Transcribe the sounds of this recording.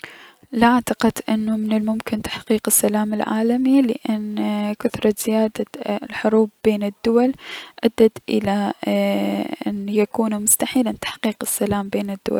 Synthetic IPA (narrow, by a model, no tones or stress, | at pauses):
lʔaʕt̪aqɪd̪ʔɪnːamɪnɪlmʊmkɪnt̪ḁħqiːqɪsːalaːmɪlʕa̰ːlamilɪʔɪnːkʊθɾˤɑz̥ɪjaːd̪alħʊɾuːbbeːnɪd̪ːʊwalʔad̪ːat̪ʔɪ̰la | ʔɪ̰njakuːnmʊst̪aħiːlant̪ḁħqiːqɪsːalaːmbeːnɪd̪ːʊ̰wa̰l